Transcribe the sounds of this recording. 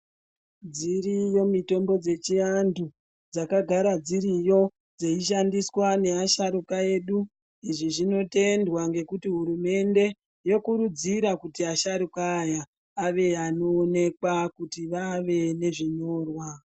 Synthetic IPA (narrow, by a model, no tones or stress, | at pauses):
d͡zirijo̞mito̞mbo̞d͡ze̞t͡ʃiandu | d͡zakaɡʱaɾad͡ziɾijo̞ | d͡zeiʃ̬andiswane̞aʃaɾukae̞ɗu | iʐiʐino̞te̞ndwaŋɡe̞kutiɦuɾume̞nde̞ | jo̞kuɾud͡ziɾakutiaʃaɾukaːjaː | ʋe̞ano̞ːne̞kwakutiʋaʋe̞ne̞ʐiɲo̞ːrwa